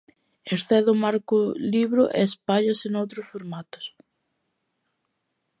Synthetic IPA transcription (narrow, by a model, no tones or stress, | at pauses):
eɾθɛðʊmaɾkʊliβɾʊʔḛspaʎɐsɪnowt̪ɾʊsfoɾmat̪ʊ̥s